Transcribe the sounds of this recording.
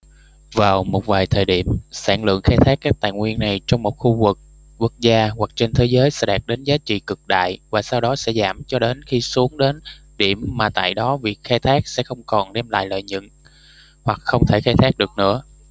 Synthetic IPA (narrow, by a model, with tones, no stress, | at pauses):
vaː˨˩wmo˨˩t̚vaː˨˩jt̪ʰəː˨˩jɗi˧˩əmsa̰ː˧˩ŋlɨ̰˧˨əŋxaː˧jt̪ʰaː˦˥kːaː˦˥k̚t̪a̰ː˧˨jŋwi˧ənːa˨˩jt͡ɕɔ˧wŋ͡mmo˨˩t̚xu˧vɨ˨˩k̚ | ku˦˥k̚zaː˧hwa˨˩k̚t͡ɕe˧nt̪ʰe˨˦zəː˨˦jsɛ̰˧˥ɗaː˨˩t̚ɗe˨˦nzaː˨˦t͡ɕḭ˧˨kɨ˨˩k̚ɗa̰ː˧˨jvaː˨˩saː˧wɗɔ˨˦sɛ̰˧˥zaː˧˩mt͡ɕɔ˧ɗe˨˦nxi˧su˨˦əŋɗe˨˦n | ɗi˧˩əmːaː˨˩t̪a̰ː˧˨jɗɔ˨˦vi˨˩ək̚xaː˧jt̪ʰaː˦˥k̚sɛ̰˧˥xə˧wŋ͡mkɔ˨˩nɗɛ˧mla̰ː˧˨jlə̰ː˧˨jɲɨ̰˧˨n | hwa˨˩k̚xə˧wŋ͡mt̪ʰe˧˩xaː˧jt̪ʰaː˦˥k̚ɗɨ˨˩ək̚nɨ̰˧˥ə